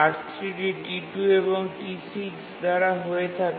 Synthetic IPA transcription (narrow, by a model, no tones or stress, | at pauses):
aʈt̪ʰɾiʈiʈiʈueboŋʈisiksd̪aɾaɦoet̪ʰak